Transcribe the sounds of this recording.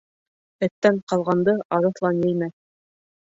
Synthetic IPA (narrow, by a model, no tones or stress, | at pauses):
ɘ̆t̪ːæɴqɑlˠʁɑnd̪ɤʔɑɾɤ̆θlˠɑnjɘ̆jmæ